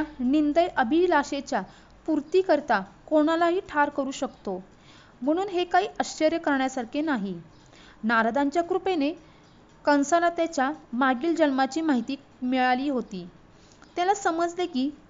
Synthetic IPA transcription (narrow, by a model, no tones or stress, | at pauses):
anind̪əjʔəbʱilaɕet͡ɕja | puɾt̪iːkəɾt̪akoɽ̃alaɦiːʈʰaɾkəɾuːɕəkt̪o | m̤əɽ̃uːnɦekaiːʔəɕəɾjəkəɾɳjasaɾkʰenaɦi | naɾad̪aɲt͡ɕjakɾupene | kəñsalat̪jat͡ɕjamaɡiːld͡ʑənmat͡ɕiːmaɦit̪iː | miɭaliːɦot̪iː | t̪jalasəməd͡zlekiː